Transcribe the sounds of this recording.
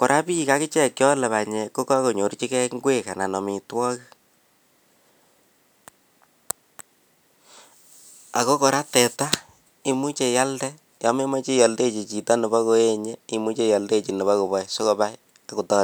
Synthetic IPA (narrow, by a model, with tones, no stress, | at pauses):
ko˨ɾʔa˦pi˦ka˦kɪ˦t͡ʃɛ˦kjɔ˦lɛ˨βa˨ɲe˨ko˦ka˦ko˨ɲo˨ɾt͡ʃi˦kɛ˦kŋɡwe˦ka˨na˨nɔ˨mi˨twɔ˦k | a̰˨ko˦ko˨ɾa˦tɛ˨ta˦ | i˨mu˦t͡ʃe˨ja˦ldɛ˦ | ja˦me˦ma˦t͡ʃi˦jɔ˨lde˦˨t͡ʃi˨t͡ʃi˨ta˦nɪ˨ba˦ko˦e˦ɲe˦i˨mu˦t͡ʃe˦jɔ˨lde˦˨t͡ʃi˨ni˨βa˦ko˨bɔ˦so˦ko˦ba˦j | a˨ku˨tɔ˦